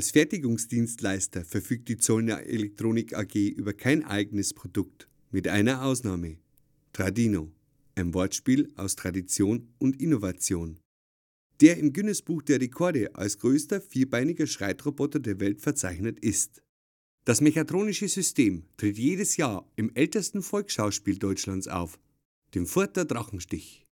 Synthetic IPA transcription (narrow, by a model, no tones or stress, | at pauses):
ʔalsfɛɐtɪɡʊŋsd̥iːnstlaɪstɐfɛɐfyːk̚t̚d̥iːt͡soːln̰ʔḛlɛk̚tʁ̥oːnɪkʰa̰ɡeːʔyːbɐkʰaɪnʔa̰ɪɡənəspʁ̥odʊk̚t | mɪtʔa̰ɪnɐʔaʊsnaːmə | tʁ̥adiːno | ʔaɪnvɔɐtʃpiːlʔaʊstʁ̥adit͡sjoːnʔʊntɪnovat͡sjoːn | d̥eːɐɪmɡʏnəsb̥uːxd̥eːɐʁekʰɔɐdəʔa̰lsɡ̥ʁøːstɐfiːɐbaɪnɪɡɐʃʁ̥a̰ɪtʁobɔtɐdeːɐvɛltfɛɐt͡saɪçnətɪst | d̥asmeçatʁ̥oːnɪʃəzʏsteːmtʁ̥ɪtjeːdəsjaːɐɪmʔɛltəstn̩fɔlksʃaʊʃpiːldɔʏt͡ʃlant͡sʔa̰ʊf | d̥eːmfʊɐtɐdʁaχn̩ʃtɪç